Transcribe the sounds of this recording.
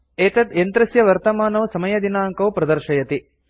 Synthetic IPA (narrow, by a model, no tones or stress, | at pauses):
eːt̪ɐt̪ent̪ɾɐsjɐʋɐɾt̪ɐmaːnɐʋsɐmɐjɐd̪inaːŋkɐwpɾɐd̪ɐɾʃɐjɐt̪i